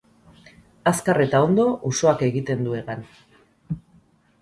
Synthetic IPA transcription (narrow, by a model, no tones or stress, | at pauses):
askare̞t̪ao̞nd̪o̞ʔuso̞ake̞ɣit̪e̞nd̪ue̞ɣan